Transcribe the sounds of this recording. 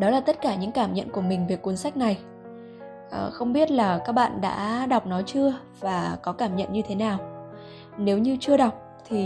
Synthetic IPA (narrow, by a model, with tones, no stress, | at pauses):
ɗɔ˨˦laː˨˩t̪ə˦˥t̚kaː˧˩ɲɨ̰˧˥ŋkaː˧˩mɲə̰˧˨nku˧˩əmï˨˩ŋ̟vi˨˩əkːu˨˦nsa˦˥jk̚na˨˩j | ʔə˨˩xə˧wŋ͡mɓi˦˥ət̚laː˨˩kaː˦˥k̚ɓa̰ː˧˨nɗa̰ː˧˥ɗa˨˩wk͡p̚nɔ˨˦t͡ɕɨ˧ə | vaː˨˩kɔ˨˦kaː˧˩mɲə̰˧˨nɲɨ˧t̪ʰe˨˦naː˨˩w | ne˨˦wɲɨ˧t͡ɕɨ˧əɗa˨˩wk͡p̚ | t̪ʰi˨˩